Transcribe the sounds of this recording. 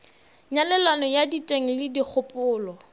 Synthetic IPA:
ɲalɛlanɔjaditʼeŋ̩lɪdik͡xʰʊpʼʊːlɔ

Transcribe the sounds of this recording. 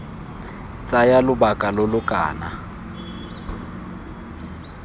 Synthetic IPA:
t͡sʼajalʊbakʼalʊlʊkʼa̰ːna

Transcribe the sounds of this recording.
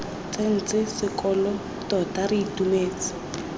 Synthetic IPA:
t͡sen̩t͡sɪsɪkɔlɔ | tɔtariitumeːt͡sɪ̥

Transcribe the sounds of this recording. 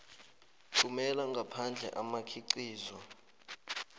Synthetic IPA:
ǁʰumɛlaŋɡʱapʰand͡ɮʱɛ̰ʔamakʰiǀiːzɔ

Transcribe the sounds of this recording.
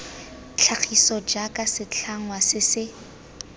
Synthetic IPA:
t͡ɬʰak͡xʰisɔd͡ʒakʼasɪt͡ɬʰaŋwasɪsɪ

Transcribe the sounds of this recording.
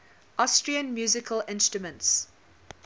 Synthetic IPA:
ʔɔstɹiə̃nmjuːzɪkʰəlɪ̃nstɹ̥əmə̃nts

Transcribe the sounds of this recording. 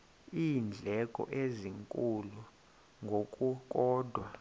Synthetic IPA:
iːnd͡ɮʱɛkʼɔ̰ʔeziŋkʼulu | ŋɡʱokʼuk̬ʼɔːdʱwa

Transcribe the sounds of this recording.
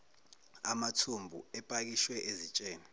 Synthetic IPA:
amatʰumbʱṵɛpʼak̬iʃwɛʔezit͡ʃʼeːni

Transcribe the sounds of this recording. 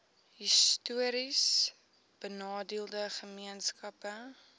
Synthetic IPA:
ɦistuəɾis | b̥ənɑːdiəlˠdəχəmiənskɐpə

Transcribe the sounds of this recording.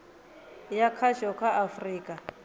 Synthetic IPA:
jakʰaʃɔkʰaʔafriːkʼa

